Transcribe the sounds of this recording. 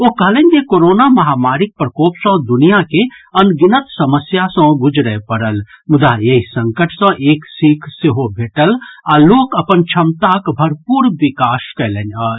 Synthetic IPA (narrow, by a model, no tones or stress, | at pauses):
okəɦlenʲkekoɾoːnamɐɦaːmaːɾik̚pɾəkoːpsə̃d̪ʊnijakeənɡinət̪sɐməsjasə̃bud͡ʒʱɾəepəɾəl | mʊd̪ajeɦisə̃ŋkəʈʰsə̃ʔeːksikʰseɦobʱeːʈəlaːloːkəpənt͡ʃʰəmt̪akbʱɐɾpuːɾʋikaːskɛɦləna